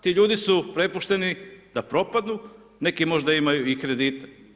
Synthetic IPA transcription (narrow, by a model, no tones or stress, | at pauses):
t̪iːʎuːd̪isupɾe̞puʃt̪e̞nid̪apɾo̞pad̪nu | ne̞kimo̞ʒd̪aimajuikɾe̞d̪iːt̪e